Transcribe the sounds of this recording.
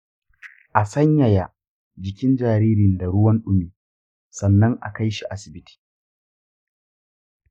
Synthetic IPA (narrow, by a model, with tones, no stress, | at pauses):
ʔa˨sɐ˦ɲja˨ja˨ | d͡ʒɪ˨kʲɪ˦nd͡ʒaː˨ɾiː˦ɾɪ˨nda˨ɽʊ˦wɐ˦nɗʊ˦miː˨ | sɐ˨nːɐ˦ŋʔa̰˨ka˦jʃi˨ʔa˦sɪ˨bɪ˦tʰi̥ː˨